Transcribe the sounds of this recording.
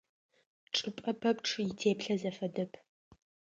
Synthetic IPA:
ʈ͡ʂʼɨpʼɐpʰɐpʈ͡ʂʰjɪtʰeːpɬɐzɐfɐdɐpʰ

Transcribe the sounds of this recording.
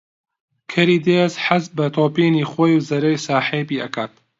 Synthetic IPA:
kʰɐɾiːd̪eːzħazbɐt̪ʰoːpiːniːχoːjuwzɐɾɐjsaːħeːbiːɐkʰaːt̪

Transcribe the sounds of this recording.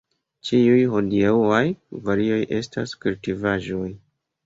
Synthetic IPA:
t͡ʃiujhodiauajvaɾio̞jʔe̞staskultivaʒo̞j

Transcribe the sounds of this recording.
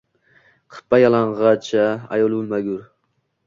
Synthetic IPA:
qʰɨ̥pːajɑlˠɑɴʁɑt͡ʃʰa̰ːjolˠbulmaɡʲuɾ

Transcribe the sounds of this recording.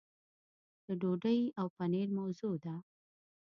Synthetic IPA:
d̪̥əɖoɖəjawpaneɾmawzud̪a

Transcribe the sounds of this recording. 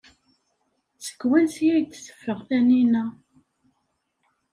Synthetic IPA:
t͡sːə̥kːwænsjæjt̪ːsə̥fːəʁθæninæ

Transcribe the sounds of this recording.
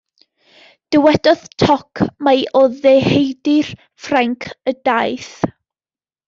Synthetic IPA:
d̥əwɛd̥ɔðtʰɔkʰmajʔɔðehejdɪr | fraŋkʰədajθ

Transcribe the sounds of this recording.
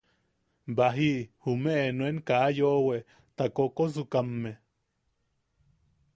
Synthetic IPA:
baɦiʔhumeʔnweŋkajoʔweʔ | t̪akokozukamːe

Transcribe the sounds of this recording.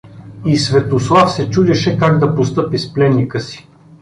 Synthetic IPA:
isvɛt̪oslˠafsɛt͡ʃud̪ɛʃɛkaɡd̪ɐpost̪ɤpisplɛnːikəsi̥

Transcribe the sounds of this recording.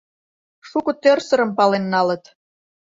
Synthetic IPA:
ʃukə̆t̪ørsə̆ɾə̆mpɑlenːɑlə̆t̪

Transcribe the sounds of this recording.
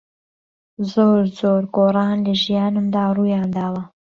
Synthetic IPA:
zoːɾzoɾɡoːrˤɑːnlɐʒijɑːnɨmd̪aːruːjaːnd̪aːwɐ

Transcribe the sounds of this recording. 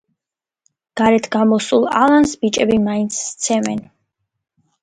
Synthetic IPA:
ɡ̥aɾɛt̪ʰɡamɔsulˠa̰lˠansbit͡ʃʼɛbimaint̪sʰst̪sʰɛmɛn

